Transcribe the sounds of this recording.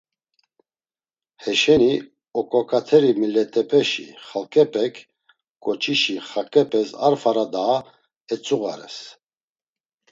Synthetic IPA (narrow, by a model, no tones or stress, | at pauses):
hɛʃɛni | ɔkʼɔkʼat̪ʰɛɾimilɛt̪ʼɛpʼɛʃḭχalkʼɛpʼɛkʰ | ɡʼɔt͡ʃʰiʃiχakʼɛpʼɛsaɾfaɾad̪aː | ɛt͡sʼuɣa̰ɾɛ̰s